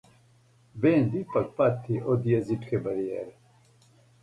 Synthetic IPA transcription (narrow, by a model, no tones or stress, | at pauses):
beːnd̪ipɐk̚pat̪ʰːiʔod̪ijɐziʈkʰebɐɾiḛɾ